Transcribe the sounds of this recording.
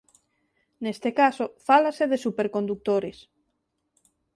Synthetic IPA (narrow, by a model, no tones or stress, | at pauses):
nest̪ekasofalaseðesupeɾkond̪uk̚t̪oɾes